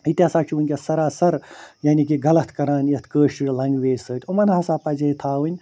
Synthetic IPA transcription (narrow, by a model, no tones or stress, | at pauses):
it̪ʲjaːsaːt͡ʃʰiunʲkʲesɐɾaːsɐɾjaːnik̬iɡɐlɐt̪ʰkɐɾaːnɐt̪ʰkəːʃʈiɽlɐŋɡʋeːzʲsəːt̪ʰʲumɐnɦasaːpaːd͡ʒeit̪ʰaːwɨnʲ